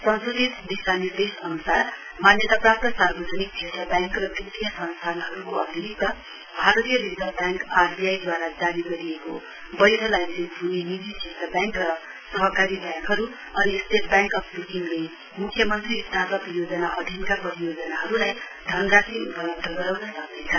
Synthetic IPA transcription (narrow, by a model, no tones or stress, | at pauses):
sʌnsod̪it̪d̪isanird̪esʌnusar | manjʌt̪aprap̚t̪ʌsarbʌd͡zʌnik̚t͡sʰet̪rʌbjaŋkrʌt̪rit̪ijʌsʌnst̪ʰanɦʌɾukoʌbʱiɾit̪ːʌ | bʱaɾʌt̪ijʌɾizʌrbjaŋkarbijajd̪waɾad͡zaniɡʌɾieko | bʌjd̪ʱʌlajnsikbʱunimid͡ziset̪ʌbjaŋkrʌ | sʌɦʌkaɾibjaŋkɦʌɾu | ʌɾisʈeʈbjaŋkʌpʰbukiŋle | mukʰːjʌmʌnt̪riːst̪asʌpjod͡zʌnaʔʌd̪ʱjʌnkapʌɾijod͡zʌnaɦʌɾulaj | d̪ʱʌnɾasiut̪pʌlʌb̚d̪ʱʌɡʌɾawnasʌk̚d̪et͡sʰʌ